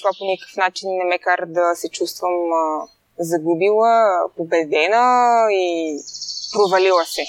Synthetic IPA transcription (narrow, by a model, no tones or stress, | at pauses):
vaponikə̥fnat͡ʃinːɛmɛkaɾəd̪ɐsɛt͡ʃust̪vəm | zɐɡubilˠəpobɛd̪ɛnəi | pɾovɐlilˠəsɛ